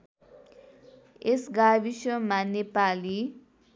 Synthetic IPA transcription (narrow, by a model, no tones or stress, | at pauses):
esɡabisʌmanepali